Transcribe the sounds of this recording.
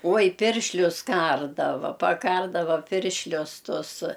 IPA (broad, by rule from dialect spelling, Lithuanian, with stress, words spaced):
ˈoːj ˈpʲɪrʲʃʲlʲʊs ˈkɐrdɐʋɐ pɐˈkɐrdɐʋɐ ˈpʲɪrʲʃʲlʲʊs ˈtʊs